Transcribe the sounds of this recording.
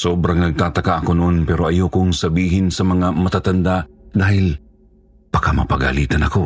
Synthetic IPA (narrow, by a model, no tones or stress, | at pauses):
soːbɾɐŋnɐɡ̚t̪aːt̪ɐkaʔɐkonoʔonpɛɾoʔɐjokʊŋsɐbiːɦɪnsɐmɐŋamɐt̪at̪and̪aʔd̪aːhɪl | pɐkamɐ̰pɐɡa̰liːt̪ɐnɐko